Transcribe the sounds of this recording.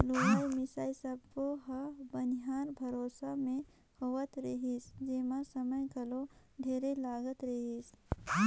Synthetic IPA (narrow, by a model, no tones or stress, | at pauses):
loaːjmɪsaːisɐb̚koɦabɐnɦaːnbʱɐɾoːsamẽ | hoʋət̪ɾɐɦisd͡ʒemãsəməjɡɐlo | ɖʱeːɾelaːɡət̪ɾɐɦis